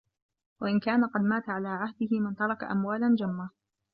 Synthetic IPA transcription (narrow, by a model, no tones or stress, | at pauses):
waʔɪnkaːnaqɑd̪maːt̪aʕalaːʕahd̪ɪhɪmɪnt̪ɑɾˤɑkaʔamwaːland͡ʒamːa